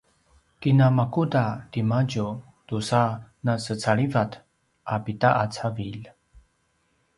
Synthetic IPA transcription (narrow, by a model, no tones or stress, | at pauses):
kinamakudadimaɟu | dusanasət͡saɭivat | ʔapitaʔat͡savil